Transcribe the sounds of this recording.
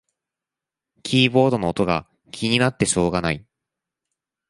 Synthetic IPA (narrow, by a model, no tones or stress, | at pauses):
kʲʰiːbo̞ːd̪o̞no̞ːt̪o̞ɡa | kʲʰiɲ̟inat̪ːe̞ɕo̞ːɡanai